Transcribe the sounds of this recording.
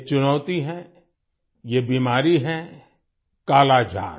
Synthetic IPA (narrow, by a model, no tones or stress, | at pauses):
t͡ʃʊnɔːt̪iɦɛ̃ | jebiːmaːɾiɦɛ̃ | kaːlad͡ʒʱa̰ːn